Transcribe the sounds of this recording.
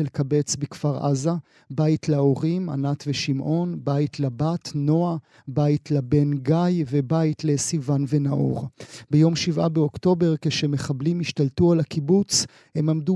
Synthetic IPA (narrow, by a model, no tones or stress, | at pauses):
lekabe̞t͡sbekfaʁʔa̰za | baitleoʁima̰nat̪veʃimʔo̞nbaitlabatno̞a | baitlabe̞nɡajvebaitle̞sivanvenaʔo̰ʁbejo̞mʃivabeo̞kto̞be̞ʁkeʃemeχablimiʃtaltualakibut͡s | he̞mamdu